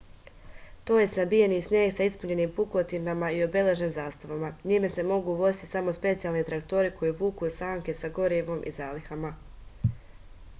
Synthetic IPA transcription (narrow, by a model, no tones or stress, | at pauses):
t̪o̞ːjesnabijenisnjeːɡsaispuɲe̞niːmpuko̞t̪inamaio̞be̞le̞ʒemzaːst̪aʋamaɲime̞se̞mo̞ɡuʋo̞zi̥t̪i̥samo̞spe̞t̪sijalˠnit̪ɾak̚t̪o̞ɾiko̞jiʋuːkusaːŋke̞saɡo̞ɾiʋo̞mʔḭzaːlixama